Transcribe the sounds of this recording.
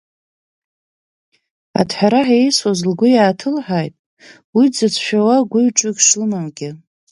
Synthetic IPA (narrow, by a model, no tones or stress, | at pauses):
a̰dħʷᶣaɾaħejswozlɡʷʊjaːtʰɨlħʷᶣajtʼ | wid͡zɨt͡sʷʰʃᶣawaɡʷʊɥʈ͡ʂʷʼʊɡʲʂlɨmamɡʲɪ